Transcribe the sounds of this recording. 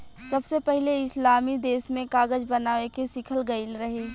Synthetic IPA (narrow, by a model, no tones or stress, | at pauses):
sɐbsepɛɦleɪslaːmid̪eːsmẽkaːɡəd͡ʒbɐnaːʋekesɪkʰəlɡəɪlɾɐɦeː